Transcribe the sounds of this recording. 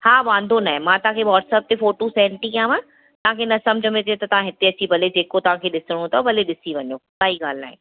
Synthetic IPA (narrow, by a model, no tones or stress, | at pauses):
haːʋãːn̆d̪ʱonaːɦẽmãt̪ɐʋãkʰeʋɔːʈsɛːp̚t̪efoːɾʈuːsɛɳʈikãːʋã | t̪ɐʋ̤ɦãkʰenɐsɐ̃md͡ʑʱəmẽt̪ʰiet̪ɐt̪ɐʋ̤ãɦɪt̪eɐt͡ɕibɐled͡ʑeːkot̪ɐʋ̤ãkʰeɗɪsəɽ̃õt̪ɐbɐleɗɪsiʋɐɲokaːiɠaːlna̰ːɦe